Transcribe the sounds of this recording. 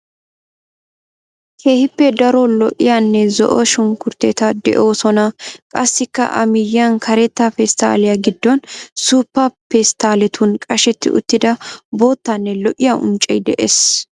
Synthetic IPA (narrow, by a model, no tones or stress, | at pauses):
kʰeːhɪpːɛd̪ɐɾɔlɔʔɪjanːɛzɔ̰ʔɔʃʊŋkʊɾt̪eːt̪ɐd̪ɛ̰ʔo̞ːsɔnɐkʼɐsːɪkːɐ̰ʔɐ̰mɪjɐnkʰɐɾɛt̪ːɐfɛst̪a̰ːlɪjaɡɪd̪ːɔnsuːpːɐpɛst̪aːlɛt̪ʰʊnkʼɐʃɛt̪ːɪ̰ʔʊ̰t̪ːɪd̪ɐbo̞ːt̪ːɐnːɛlɔʔɪjaʔʊ̰nt͡ʃʼːɛjd̪ɛʔes